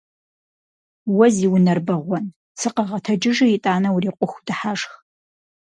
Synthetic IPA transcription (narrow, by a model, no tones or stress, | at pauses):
wɐziːwʊnɐrbɐʁʷɔn | sɨqɐʁɐtʰɐd͡ʒɪʒɨitʼaːnɐwuriːqʷʼʊxʷdɨħaːʂx